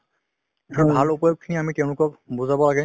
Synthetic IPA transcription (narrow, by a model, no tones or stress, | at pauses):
ɔbʱalupɔjɔk̚kʰiniamitɛʊ̃lʊkɔkbuzabɔlaɡɛ